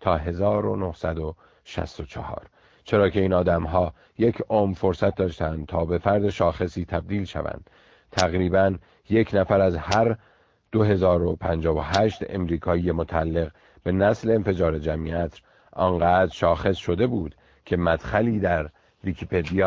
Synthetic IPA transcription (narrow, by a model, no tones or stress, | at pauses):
t̪ʰɒːɦe̞zɒːɾono̞hsæd̪o | ʃæ̰st̪o̞t͡ʃʰɒhɒ̰ːɾ | t͡ʃʰe̞ɾɒːcʰe̞iːnɒːd̪æmɦɒː | je̞cʰomfo̞ɾsæt̪̚ʰd̪ɒːʃt̪ænd̪̥̚t̪ʰɒːbe̞fæɾd̪e̞ʃɒːxe̞siːt̪ʰæb̚d̪iːlʃæ̰væ̰nd̪̥ | t̪ʰæɣɾiːbæn | je̞cʰnæfæɾæzhæɾ | d̪̥o̞ɦe̞zɒːɾo̞pʰænd͡ʒɒːvoɦæʃt̪e̞̰mɾiːkʰɒːijemot̪ʰæælːe̞ɣ | b̥e̞næsle̞ːnfe̞d͡ʒɒːɾe̞d͡ʒæmiæt̪ʰɾ | ʔɒːnɢæːd̪ɾʃɒːxe̞sʃo̞d̪e̞buːd̪̥ | cʰe̞mæd̪̥xæliːd̪æɾ | vikʰipʰe̞d̪ijɒː